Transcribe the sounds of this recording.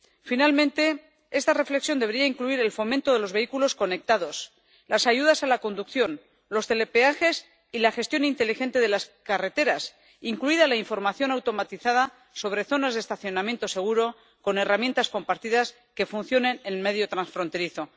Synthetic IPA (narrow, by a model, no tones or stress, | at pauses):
finalmẽ̞nt̪e̞ | est̪are̞fle̞ksjond̪e̞ɾiaiŋkluiɾe̞lfo̞ment̪o̞ðe̞lo̞zβe̞ikulo̞sko̞ne̞k̚t̪aðo̞s | lasaʝuðasalako̞nd̪ukθjo̞n | lo̞st̪e̞le̞peaxe̞s | ilaxe̞st̪jo̞nint̪e̞lixe̞nt̪e̞ðe̞laskare̞t̪e̞ɾas | iŋkluiðalaiɱfo̞ɾmaθjo̞nawt̪o̞mat̪iθað̞a | so̞β̞ɾe̞θo̞nazðest̪aθjo̞namje̞nt̪o̞se̞ɣ̞uɾo̞ | ko̞ne̞ramje̞nt̪asko̞mpaɾt̪iðas | ke̞fun̟θjo̞ne̞neme̞ðjo̞t̪ɾansfɾo̞nt̪e̞ɾiθo̞